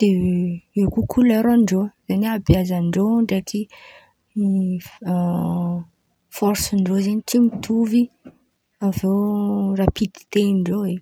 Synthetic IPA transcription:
d̪̥eewkukʰulaɾaɳɖ͡ʐozanabjazaɳɖ͡ʐoɳɖ͡ʐaʈ͡ʂi | fɔɾsiɳɖ͡ʐozaɲit̪imit̪ʰuvi | avewrapid̪̥i̥t̪eɳɖ͡ʐoe

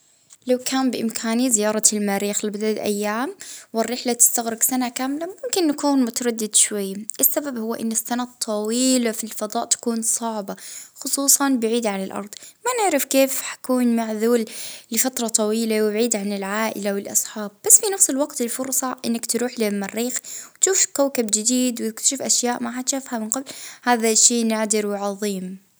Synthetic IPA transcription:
lawkʰaːmbɪʔɪmkʰaːnizɪjɑːɾˤɑlmaːɾiːxlɪbɪd̪alʔa̰jːaːmwɪrːɪħlat̪ɪ̥st̪aɣɾɪɡsanakaːmlamʊmkɪnːakuːnmʊt̪aɾˤɑd̪ːɪd̪ʃwajːʔɪsːababhʊwːʔɪ̰nːɪsːanat̪ˤʰːɑwiːlafilfɑd̪ˤɑːʔt̪ḁkuːnsˤɑʕbaxʊsˤuːsˤɑnbɪʕiːd̪ʕanɪlʔɑ̰ɾˤd̪ˤmanɪʕɾɪfkeːfħḁkuːnmaʕðuːllɪfat̪ɾˤɑt̪ˤɑwiːlawbʕiːd̪ʕanɪlʕaːʔɪ̰lawɪlʔɑ̰sˤħɑːb̚ːasːfinafsɪlwɑɡt̪ɪlfʊɾˤsˤɑʔɪnːakt̪ɾuːħlɪmːarːiːxwt̪ʃuːfkawkabd͡ʒɪd̪iːd̪wt̪ɪkt̪ḁʃɪfʔaʃjaːʔmaħat̪ʃafhamɪnqablhaːðaʃːeːnaʕd̪ɪɾwɪʕɑðˤiːm

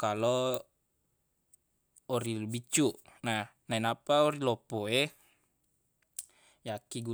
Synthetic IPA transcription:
kalo | oɾilubit͡ʃuʔnahnainapaoɾilɔpoe | jakiɡu

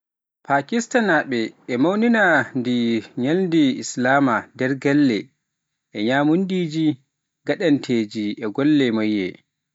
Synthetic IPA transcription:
pakistanaɓɛʔɛmawninandiɲalndiḭslaːmadɛɾɡalːɛ | ʔɛɲaːmundiːd͡ʒi | ɡaɗantʰeːd͡ʒiʔɛɡɔlːɛmajːɛ̰

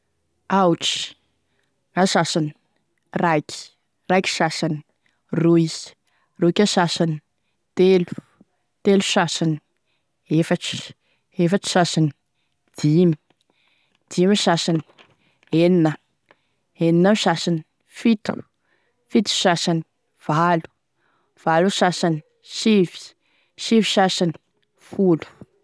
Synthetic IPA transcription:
awuʈ͡ʂi̥ | asasani̥ | rajkʲi̥ | rajkʲi̥sasani | ruiz̥i̥ | roikʲasasani | t̪elu̥ | t̪elusasani̥ | efaʈ͡ʂi̥ | efaʈ͡ʂə̥sasani̥ | d̪̥imi̥ | d̪̥imiʃasani̥ | enina | eninamiʃasani | fit̪u̥ | fit̪u̥ʃasani̥ | v̥alu̥ | v̥aluʃasani | ʃivi̥ | ʃiviʃasani̥ | fulu̥

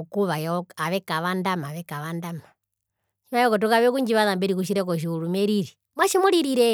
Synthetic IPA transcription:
ukuβajaɔaβɛkaʋandamaʋɛkaʋandama | ʃimajɔkɔt̬ɔkaβɛkuɲd͡ʒiβaðambɛɾikuʃ̬iɾɛkɔʃ̬iuɾumɛɾiɾi | mwaʃɛmɔɾiɾiɾɛ

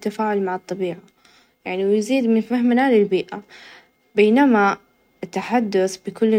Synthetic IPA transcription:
t̪ːafaːʕʊlmaʕɨt̪ˤːɑbiːʕa | jaʕniwjziːd̪mɪnfahmnalɪlbiːʔa | beːnama | ɪt̪ːaħad̪ːʊθbɪkʊlː

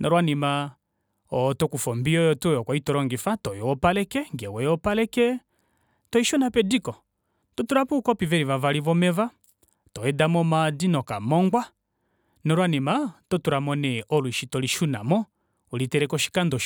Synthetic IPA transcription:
nʔɔɾwanima | ɔtɔkufɔmbiɔjɔtɔjɔkwaitɔɾɔŋɡifatɔjɔɔpalɛkɛŋɡɛwɛjɔpalɛkɛ | tɔiʃɔnapɛdikɔ | tɔtuɾapukɔpivɛɾivavaɾivɔmɛva | tɔɛdamɔmadinɔkamɔŋɡwa | nɔɾwanimatɔtuɾamɔnɛʔɔluiʃitɔliʃuna̰mɔ | ulitɛɾɛkɔʃi̥kandɔ

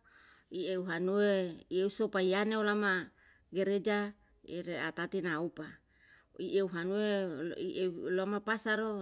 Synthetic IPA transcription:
ieuɦanueieusopaianeolama | ɡeɾed͡ʒa | eɾeat̪at̪inaupa | ieuɦanueiʔeulomapasaɾo

